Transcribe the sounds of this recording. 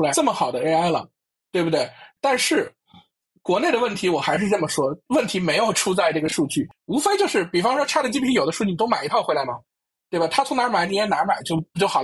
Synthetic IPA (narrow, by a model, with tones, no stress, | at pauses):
ʈ͡ʂə˥˩mə˩xɑ˨˩ʊd̪ə˦˥˧a˥˩ɪlə̰˩ | t̪we˥˧ɪbu˩d̪we˥˩ɪt̪a˥˧nʂɻ̩˥˩ | kwɔ˧˥ne˥˩ɪɾə˩wə˥˩nt̪ʰi˧˥wɔ˨˩xa˧˥ɪʂ̬ɻ̩˥˧ʈ͡ʂə˥˩mə˩ʂwɔ˥wə˥˩nt̪ʰi˧˥me˧˥ɪjo˨˩ʊʈ͡ʂʰu˥t͡sa˥˧ɪʈ͡ʂɤ˥˩ɡə˩ʂu˥˧t͡ɕy˥˩u˧˥fe˥ɪt͡ɕjo˥˧ʊʂɻ̩˥˩pi˨˩fɑ˥ŋʂwɔ˥ʈ͡ʂʰa˥d̪ə˩t͡ɕi˥pʰi˥jo˨˩ʊd̪ə˦ʂu˥˧t͡ɕ̪o˥ma˨˩ɪi˧˥t̪ʰʊxwla˧˥ɪmə˨˩ | t̪we˥˩ba˨˩t̪ʰa˥t͡sʰʊ˧˥ŋna˧˥ma˨˩˥t̪i˥jɛ˥na˧˥ma˨˩ɪt͡ɕjo˥˩ʊt͡ɕo˥˩xl